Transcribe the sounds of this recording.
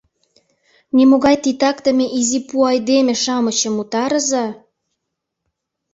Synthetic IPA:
nimoɣɑjt̪it̪ɑkt̪ə̆mʲeʔizipuɑjd̪emĕʃɑmə̆t͡ɕə̆mut̪ɑɾə̆zɑ

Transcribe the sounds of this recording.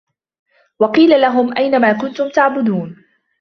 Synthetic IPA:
wɑqiːlalaɦʊmʔajnamaːkʊnt̪ʊmt̪aʕbʊd̪uːn

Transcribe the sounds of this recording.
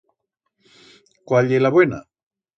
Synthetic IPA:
kwaʎelaβwena̰

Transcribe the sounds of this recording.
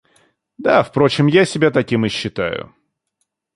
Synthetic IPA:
d̪afpɾo̞t͡ɕɪmjasʲɪbʲat̪ɐkʲimɨɕːɪt̪a̰jʊ̰

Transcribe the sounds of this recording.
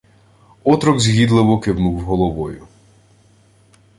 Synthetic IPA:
ɔt̪ɾɔɡzʲɦʲid̪lˠɪʋɔkɪwnuwɦɔlˠɔʋɔjʊ

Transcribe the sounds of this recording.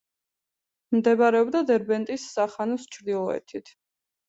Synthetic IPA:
md̪ɛbaɾɛɔbd̪ad̪ɛɾbɛnt̪ʼisːaχanɔst͡ʃʰɾd̪ilˠɔɛ̰t̪ʰit̪ʰ

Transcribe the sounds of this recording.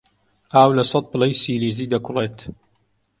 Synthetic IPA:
ʔaːwlɐsˤɐt̪̚plɛjsiːliːziːd̪ɐkʊleːt̪

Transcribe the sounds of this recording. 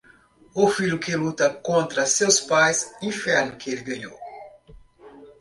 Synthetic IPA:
ʊfiʎʊkelut̪ɐkõnt̪ɾɐsewspajzĩfɛɾnʊkɪelɪɡɐ̃ɲo̰w

